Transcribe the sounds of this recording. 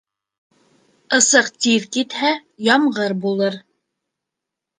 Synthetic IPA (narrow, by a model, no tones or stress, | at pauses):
ɤ̆sɤqt̪iɾkit̪hæjɑmʁɤɾbulˠɤɾ